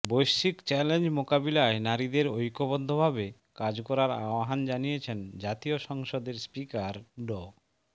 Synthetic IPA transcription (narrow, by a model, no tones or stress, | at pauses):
bojʃikt͡ɕɛlend͡ʑmokabilaenaɾid̪eɾojkobod̪ʱːobʱabe | kad͡ʑkɔɾaɾa̰oaɦand͡ʑanijet͡ɕʰend͡ʑat̪ioʃɔŋʃod̪eɾspikaɾɖɔ